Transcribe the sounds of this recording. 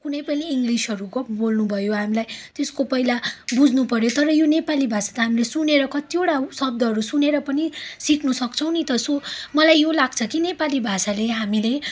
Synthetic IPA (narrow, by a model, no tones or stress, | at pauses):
kunʌjpʌniːŋɡlisɦʌɾukbolnubʱʌjoɦamilajt̪eskopʌilabud͡zʱnupʌɾjot̪ʌɾʌjonepalibʱasḁt̪ʌɦamilesuneɾʌkʌt̪ioɽasʌb̚d̪ʱʌɦʌɾusuneɾʌpʌnisiknusʌkt͡sʰʌw̃nit̪ʌsomʌlajːolaɡt͡sʰʌkinepalibʱasaleɦamile